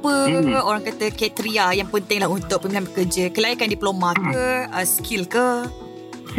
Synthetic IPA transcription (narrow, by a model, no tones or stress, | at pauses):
pəoɾaŋkat̪əkɛt̪ɾiajaŋpənt̪ɪŋlahunt̪ʊʔ̚pəmilambəkəd͡ʒəkəlajikandiplomãkəəskʰilkə